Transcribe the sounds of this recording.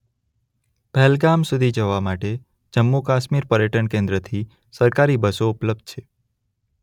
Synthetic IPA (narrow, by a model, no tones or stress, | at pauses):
pɛlɡamsud̪ʱid͡ʒəʋamaʈe | d͡ʒəmːukaʃmiɾpəɾjəʈənkẽnd̪ɾət̪ʰi | səɾkaɾibəsoʊpləb̚d̪̚t͡ʃʰe